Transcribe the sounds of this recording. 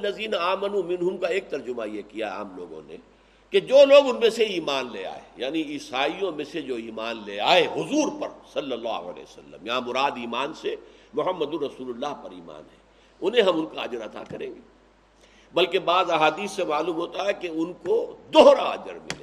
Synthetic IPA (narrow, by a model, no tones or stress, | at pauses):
lːɐziːnaaːmənumɪnɦʊmkaeːk̚t̪ɐɾd͡ʒʊmajekijaɛa̰ːmlo̰ːɡõ̰nḛ | ked͡ʒoːloːɡʊnmẽseiːmaːnlḛːa̰ːḛjaːniiːsaːijõmẽsed͡ʒoːiːmaːnleːaːeɦʊzuːɾpɐɾsɐlːɐlːa̰ːɦʊ̰ɐ̰lḛːsɐlːə̰mjɐɦãmʊɾaːd̪iːmaːnsemʊɦəmːəd̪ʊɾɐsuːlʊlːaːɦpɐɾḭːma̰ːnɦɛ | ʊnɦẽɦɐmʊnkaɐ̰d͡ʒəɾɐt̪a̰kɐɾḛ̃ːɡeː | bɐlkebaːzɐɦaːd̪iːsːemaːluːmɦoːt̪aɦɛkeʊnkod̪oɦːɾaɐ̰d͡ʒə̰ɾmɪ̰leː